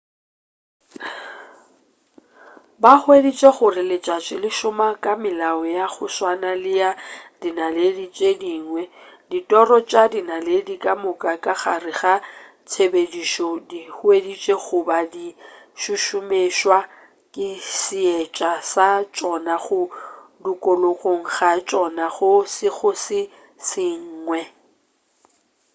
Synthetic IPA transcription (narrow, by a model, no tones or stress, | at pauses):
baχʊedit͡ʃʼeχʊrɪlɪt͡ʃʼat͡ʃʼɪlɪʃʊmakʼamɪlaɔjaχʊswanalɪjadinaledit͡ʃʼediːŋwɛditʼɔrɔt͡ʃʼadinaledikʼamʊkʼakʼaχarɪχa | t͡sʰebediʃɔdihʊedit͡ʃʼeχʊbadiʃʊʃʊmeʃwa | kʼɪsɪet͡ʃʼasat͡ʃʼɔnaχʊdukʼoloɣʼoŋ̩ɣat͡ʃʼɔnaɣʊsɪɣʊsɪ | sɪŋ̩ːŋwɛ